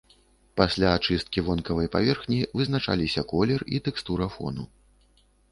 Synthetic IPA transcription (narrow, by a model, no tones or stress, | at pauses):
pasʲlʲaːt͡ʂɨst̪̚kʲivɔnkɐvɐjpa̰vʲɛrxnʲivɨznat͡ʂa̰lʲisʲɐkɔlʲɛrit̪ɛkst̪uɾɐfɔ̰nṵ